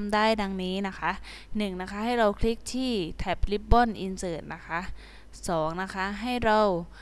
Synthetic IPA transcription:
mdaː˥˩jda˧ŋniː˦˥na˦˥kʰa˦˥ʔ | nɯ˨˩ŋna˦˥kʰa˦˥ha˥˩jɾa˧wkʰli˦˥k̚t̪ʰiː˥˩t̪ʰɛː˦˥p̚li˦˥p̚bɔ˥˩nʔi˧nsɤː˨˩t̪̚nʔa˦˥kʰa˦˥ʔ | sɔː˩˦ŋna˦˥kʰa˦˥ʔɦa˥˩jɾa˧w

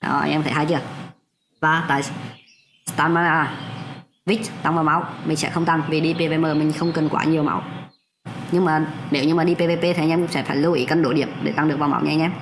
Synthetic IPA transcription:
ʔɔ̰ː˨˩ʔa̰˧jʔɛ˧mt̪ʰə̰˧˩haː˧jt͡ɕɨ˧˩ək̚ | vaː˨˩t̪a̰ː˧˨j | st̪aː˧nmaː˧naː˧˨ | vi˦˥k̚t̪a˧ŋvaː˨˩wma˨˦wmï˨˩ŋ̟sɛ̰˧˥xə˧wŋ͡mt̪a˧˩ŋvi˨˩ɗi˧pe˧ve˧˩məː˨˩mï˨˩ŋ̟xə˧wŋ͡mkə˨˩nkwa̰ː˧˨˦ɲi˨˩əwma̰˨˦w | ɲɨ˧ŋmaː˨˩ne˨˩˦wɲɨ˧maː˨˩ɗi˧pe˧ve˧˩pe˧t̪ʰjʔɛ˧kŋ͡msɛ̰˧˥faː˧˩jlu˧ʔḭː˧˨˦kə˧nɗo˧˩ɗḭ˧˨əmɗḛ˧˩t̪a˧ŋɗɨ˨˩əkvaː˨˩ma̰˧˦wɲɛ˧˦ɲʔɛ˧m

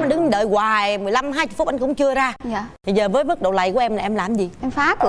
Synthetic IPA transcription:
nɗɨ˨˦ŋ˧ɗəː˨˩jɣwaː˨˩jmɨ˨˩əjla˧mɦaː˧jt͡ɕʊ˨˩f̚ʔjŋkʊ̰˧˥ŋ͡mt͡ɕɨ˧əzaː˧˨t̪ʰi˨˩zəː˨˩vəː˨˦jmə˦˥t̚ɗo̰˧˨wla̰˧˩jkʔɛ˧mlaː˨ʔɛ˧mlaː˨˩mzi˨˩ʔɛ˧mfaː˨˦k

